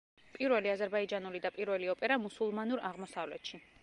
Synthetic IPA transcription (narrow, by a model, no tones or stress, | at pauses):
pʼiɾvɛliazɛɾbaid͡ʒanulid̪apʼiɾvɛliɔpʼɛɾamusulˠmanuɾaʁmɔsavlɛt̪ʃi